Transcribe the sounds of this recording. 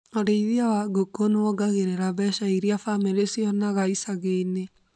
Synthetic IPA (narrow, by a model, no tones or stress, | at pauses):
aɾeiðiawaɡokonewɔɡaɣeɾeɾaβɛʃaiɾiafameɾesiɔnaɣaisaɣene